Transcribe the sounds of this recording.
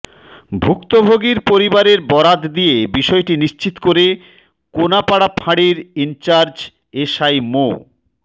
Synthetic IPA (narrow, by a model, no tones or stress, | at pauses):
bʱukt̪obʱoɡiɾpoɾibaɾeɾbɔɾad̪d̪ijebiʃɔeʈiniʃt͡ɕit̪koɾe | konapaɽapʰaɽiɾint͡ɕaɾd͡ʑ | eʃajmo̰